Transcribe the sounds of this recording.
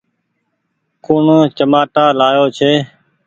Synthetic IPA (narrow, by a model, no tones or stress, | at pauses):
koːɳot͡ʃəmaːʈaːlaːjoːt͡ʃʰeː